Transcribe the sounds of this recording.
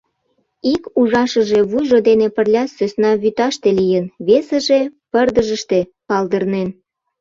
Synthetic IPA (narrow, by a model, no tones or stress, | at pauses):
ikuʒɑʃəʒeβujʒod̪enepərlʲɑsøsnɑβyt̪ɑʃt̪elijənβesə̆ʒepərd̪əʒəʃt̪epɑld̪ərnen